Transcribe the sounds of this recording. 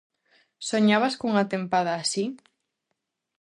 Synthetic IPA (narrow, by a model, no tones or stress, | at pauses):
soɲaβaskuŋat̪empað̞aːsi